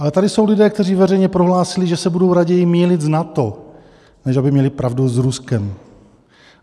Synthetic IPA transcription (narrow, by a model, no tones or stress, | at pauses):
ʔalɛt̪adɪso̞wlɪdɛːkt̪ɛriːvɛrɛjɲɛpɾo̞ɦlaːsɪlɪʒɛsɛbudo̞wɾaɟɛjɪmiːlɪt̪znat̪o | nɛʃabɪmɲɛlɪpɾavduzɾuskɛm